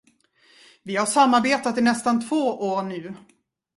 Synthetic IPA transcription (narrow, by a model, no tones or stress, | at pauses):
vɪhaʂamːaɾbeːt̪at̪ɪnɛst̪ant̪ʰvoːʔoːɾɳʉ̟ː